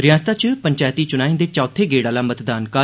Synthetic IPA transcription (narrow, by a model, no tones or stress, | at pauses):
ɾɪjãːst̪aːt͡ʃəpəɲt͡ʃaːjt̪iːt͡ʃʊnaːĩːnd̪eːt͡ʃaːt̪ʰeːɡeːɽaːlaːmət̪d̪aːnkaː